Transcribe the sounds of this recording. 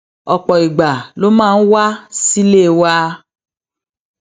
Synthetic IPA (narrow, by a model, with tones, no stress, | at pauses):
ɔ˨k͡pɔ˨i˨ɡ͡ba˨lo˦mãː˦˧n̩˦wa˦si˦le˦˨wa˦